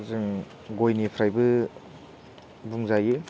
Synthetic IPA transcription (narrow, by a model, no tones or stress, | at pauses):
zɯŋ | ɡojnipʰɾajbɯ | buŋzajɯ